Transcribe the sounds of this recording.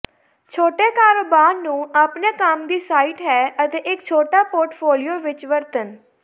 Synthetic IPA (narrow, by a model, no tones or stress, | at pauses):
t͡ʃʰoːʈeːkaːɾoːbaːɾnũːaːpneːkaːmd̪iːsaːiːʈɦɛːət̪eːʔɪkt͡ʃʰoːʈaːpoːɾʈpʰoːlijoːʋɪt͡ʃʋəɾt̪ən